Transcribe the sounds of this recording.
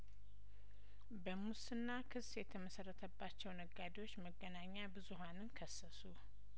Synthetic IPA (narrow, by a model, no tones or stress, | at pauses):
bəmusɨnːakʰɨsjɛt̪ʰəməsərːət̪ʰəbːat͡ʃːɛwnəɡːad̪iwo̞t͡ʃːməɡːənaɲːabɨzuɦanɨnkʰəsːəsu